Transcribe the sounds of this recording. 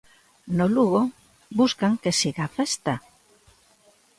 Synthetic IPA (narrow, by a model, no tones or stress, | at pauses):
noluɣo | buskaŋkesiɣafest̪a